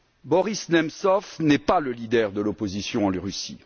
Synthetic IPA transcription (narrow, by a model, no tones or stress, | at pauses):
bɔʁisnɛmsɔfnɛpaləlid̪ɛʁd̪əlɔpozisjɔ̃ɑ̃lʁysḭ